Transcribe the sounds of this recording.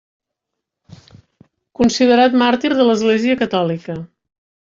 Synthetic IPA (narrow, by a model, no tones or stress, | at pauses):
kunsið̞əɾat̪maɾt̪iɾðələzɣleziəkət̪ɔlikə